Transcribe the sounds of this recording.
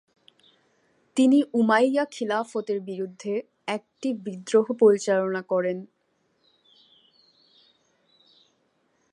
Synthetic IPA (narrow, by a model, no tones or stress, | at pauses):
t̪iniʔumajakʰilafot̪eɾbiɾud̪ʱːe | ɛk̚ʈibid̪ɾoɦopoɾit͡ɕalonakɔɾen